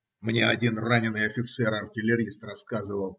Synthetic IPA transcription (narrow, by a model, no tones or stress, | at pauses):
mnʲeɐdʲinranʲɪnːɨjɐfʲɪt̪sɛɾɐrtʲɪlʲɪɾʲist̪rɐskazɨvəlˠ